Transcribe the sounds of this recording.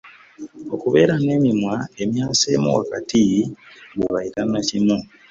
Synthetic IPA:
o̞kuβe̞ːɾane̞ːmimwae̞mjaːseːmṵwakatʰi | ɡuβaiɾanacinu

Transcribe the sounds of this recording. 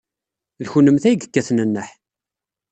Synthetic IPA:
ðçunəmθæjɡəkːæθnənːəħ

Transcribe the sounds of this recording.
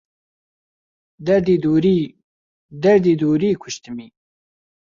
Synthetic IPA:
d̪ɛɾd̪iːd̪uːɾiː | d̪ɛɾd̪iːd̪uːɾiːkʰʊʃt̪ɨmiː

